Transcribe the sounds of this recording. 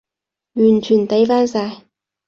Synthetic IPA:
jyː˨˩nt͡ʃʰyː˨˩nt̪e˨˥jfaː˥nsaː˧j

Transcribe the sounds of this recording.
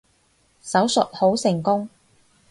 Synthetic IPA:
sɐ˨˥wsɵ˨t̚ho˨˥wsɪ˨˩ŋkʊ˥ŋ

